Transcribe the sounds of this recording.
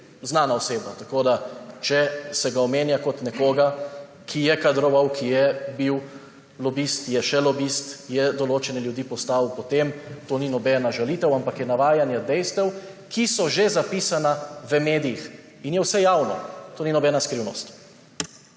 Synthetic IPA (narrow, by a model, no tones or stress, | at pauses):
znaːnaɔseːbnat̪akoːd̪at͡ʃɛsɛɡaɔmeːnjakɔt̪nɛkoːɡa | kʰijɛkad̪ɾɔʋawkʰijɛbiw | lɔbist̪jɛʃɛlɔbist̪jɛd̪ɔloːt͡ʃɛnɛljud̪iːpɔst̪awpɔt̪emt̪oːninɔbɛːnaʒaliːt̪ɛwampakjɛnaʋaːjanjad̪ɛjst̪ɛw | kʰisɔʒezapisanaʋəmeːd̪ijix | injɛwsɛjaːwnɔ̰t̪oːninɔbɛnaskɾiwnɔst̪